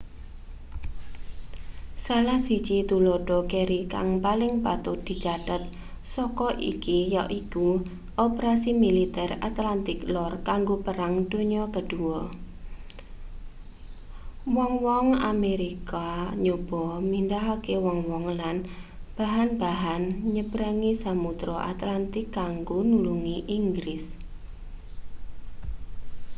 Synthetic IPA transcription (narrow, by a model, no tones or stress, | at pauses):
salahsit͡ʃit̪uloɖ̥ɔkeɾika̰ŋpalɪŋpat̪ʊd̪̥i̤d͡ʒad̥at̪̚ | sɔkɔʔḭkijaʔiku | ʔopəɾasimilit̪ɛra̰t̪lant̪ɪklɔrkaŋɡopəɾaŋd̪̥o̤ɲɔkəɖ̥uɔ | wɔŋwɔŋa̰meɾikaɲob̥ɔmind̪aɦakewɔŋwɔŋlanb̥a̤ɦanbaɦanɲəb̥ɾaŋisamut̪ɾɔʔa̰t̪lant̪ɪkːaŋɡonuluŋiʔiŋɡɾɪs